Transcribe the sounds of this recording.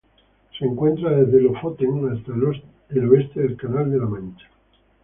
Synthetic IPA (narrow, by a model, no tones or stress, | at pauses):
seŋkwe̞nt̪ɾaðezðelofot̪eŋast̪al | eloest̪eðe̞lkanald̪elamãnt͡ʃḁ